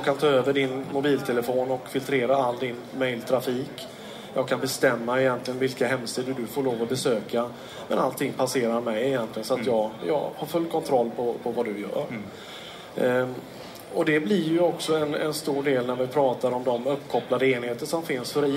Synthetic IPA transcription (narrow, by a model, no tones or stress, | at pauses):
kʰant̪ʰɑːøːvəɖɪnmʊbiːlt̪ʰɛləfoːnɔkfɪlt̪ʰɾeːɾaalːd̪ɪnmɛjlt̪ʰɾafiːk | jɑːɡ̚kʰanbɛst̪ɛmːaɪjɛnt̪lɪɡənvɪlkaɦɛmːsiːd̪əd̪ɵfoːɭoːvɔbɛsøːka | mɛ̰na̰lt̪ʰɪŋːpʰaseːɾaɾmɛjɪjɛnt̪ʰlɪɡənsɔat̪jɑːɡjɑ̰ːɡhaɾfɵlːkʰɔnt̪ʰɾɔlːpʰɔpʰɔvad̪ɵjœ̰ːɾ | ɔd̪ɛblɪɾjɵɔksɔɛnɛ̰nst̪uːɖeːlnæɾvɪpʰɾɑːt̪aɾɔmd̪ɔmɵpːkʰɔplad̪əeːnheːt̪əʂɔmfɪnsfœɾɪ